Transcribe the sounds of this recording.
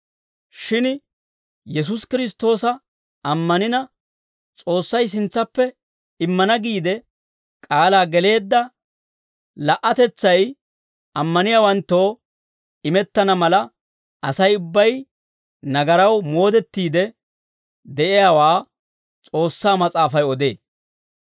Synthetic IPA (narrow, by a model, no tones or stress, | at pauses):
ʃɪn | jɛs̬ʊskɪɾɪs̬t̪o̞ːsɐ | ɐmːɐnɪnɐ | t͡sʼo̞ːsːɐjs̬ɪnt͡sːɐpːɛ | ɪmːɐnɐɡiːd̪ɛ | kʼaːlaːɡɛle̞ːd̪ːɐ | lɐʔːɐt̪ɛt͡sːɐj | ɐmːɐnɪjaːwɐnt̪ːo̞ː | ɪmɛt̪ːɐnɐmɐlɐ | ɐsɐjʊbːɐj | nɐɡɐɾɐwmo̞ːd̪ɛt̪ːiːd̪ɛ | d̪ɛʔɪjaːwaː | t͡sʼo̞ːsːaːmɐt͡sʼaːfɐjɔd̪e̞ː